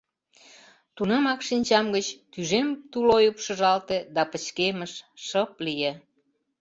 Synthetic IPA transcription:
t̪unemɑkʃinʲt͡ɕɑmɡət͡ɕt̪yʒemt̪ulojupʃə̆ʒɑlt̪ed̪ɑpət͡ɕkeməʃʃəplije

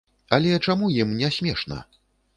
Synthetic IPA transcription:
ɐlʲɛt͡ʂamujimnʲɛsʲmʲɛʂnɐ̰

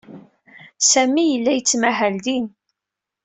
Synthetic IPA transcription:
sæmijəlːæjət͡sːmæɦæld̪in

